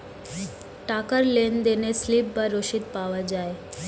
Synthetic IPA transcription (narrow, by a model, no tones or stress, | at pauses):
ʈakəɾlend̪eneslipbaɾːoʃit̪paʋad͡ʒaːe